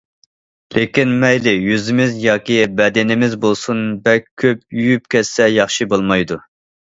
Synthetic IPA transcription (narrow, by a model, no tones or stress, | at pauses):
lʔekʲinmɛjlɪjyzɪmɪzjɑːkʲibɛd̪ɪnɪmɪzbolˠsunbɛkʲʰøpjyjyp̚kʲɛsːɛjɑχʃibolˠmɑjd̪u